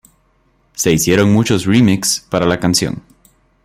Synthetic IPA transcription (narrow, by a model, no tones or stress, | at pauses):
se̞isje̞ɾo̞ŋmut͡ʃo̞srimikspaɾalakansjo̰n